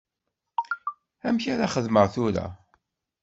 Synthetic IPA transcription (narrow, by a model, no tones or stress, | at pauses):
æmçaɾaχəðməʁθʊɾa̰